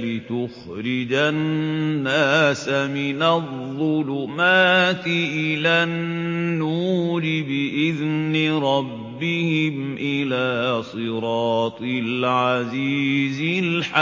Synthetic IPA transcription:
lɪt̪ʊx | ɾɪd͡ʒaː | aːsamɪnaðˤːʊlʊmaːt̪ɪʔɪlanːuːɾɪbɪʔɪðnɪɾˤɑbːɪhɪmʔɪlaːsˤɨɾɑːt̪ˤɨlʕaziːzɪlħa

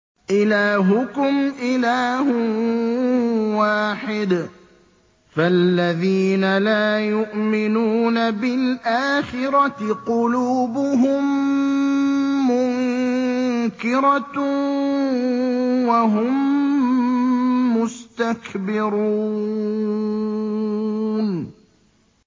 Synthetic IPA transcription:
ʔɪlaːɦʊkʊmʔɪlaːh | waːħɪd̪ | falːaðiːnalaːjʊʔmɪnuːnabɪlʔaːxɪɾɑqʊluːbʊɦʊm | ʊŋ | kɪɾɑ | waɦʊm | ʊst̪akbɪɾuː | n

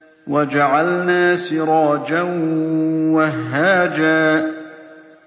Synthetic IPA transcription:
wad͡ʒaʕalnaːsɪɾˤɑːd͡ʒan | wahɦːaːd͡ʒaː

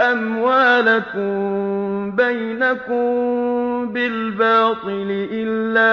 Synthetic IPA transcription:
ʔamwaːlakʊm | bajnakʊm | bɪlbɑːt̪ˤɨlɪʔɪlːaː

